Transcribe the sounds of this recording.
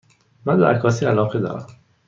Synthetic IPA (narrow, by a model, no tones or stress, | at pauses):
mænbeækʰɒːsiːælɒːɣed̪ɒ̰ːɾæ̰m